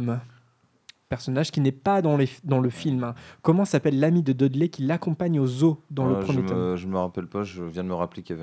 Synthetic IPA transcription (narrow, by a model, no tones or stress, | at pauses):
m | pɛʁsɔnaʒkʲinɛpad̪ɑ̃led̪ɑ̃ləfilmɛ̃kɔmɑ̃sapɛlːamid̪əd̪ɔd̪lɛkʲilakɔ̃paɲozod̪ɑ̃ləʒəmjemɔʒəməʁapɛlpaʒəvjɛ̃d̪əməʁaplekʲavɛ